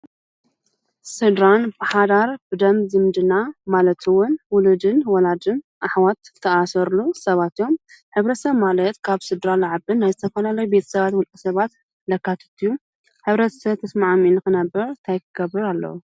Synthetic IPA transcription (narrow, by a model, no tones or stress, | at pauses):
sɨd̪ɾanbaħad̪aɾbɨd̪ɐmzɨmd̪ɨnamalɐt̪ʰɨwʊnwʊlud̪ɨnwɔlad̪ɨn | ʔaħwat̪ʰːɐʔasɐɾlusɐβat̪ijo̞m | ħɨβɾɐt̪sɐβmalɐt̪kʰaβsɨd̪ɾalaʕabɨnːajzɨt̪ʰɐfɐlalɐjubet̪ʰɐ̥sɐβat̪wulkʼɨsɐβat̪ | lɐkːat̪ʰɐ̥t̪ʰːiju | ħɨβɾɐt̪ʰsɐβt̪ʰɐsmaʕminɨxɨnɐbːɨɾnt̪ʰajkʰɨɡ̥ɐbɨɾalːɐ̰wu